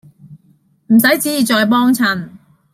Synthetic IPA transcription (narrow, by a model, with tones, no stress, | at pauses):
m̩˨˩s̬ɐ˨˥jt͡siː˨˥jːt͡ʃɔː˨˧jpɔː˥ŋt͡sʰɐ˨˧n